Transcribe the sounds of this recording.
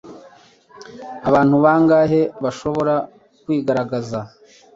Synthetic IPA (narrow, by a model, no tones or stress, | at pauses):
aβaːn̥huβaːŋɡaːɦe̞βaʃo̞βo̞ɾa | kwiːɡaɾaɡaza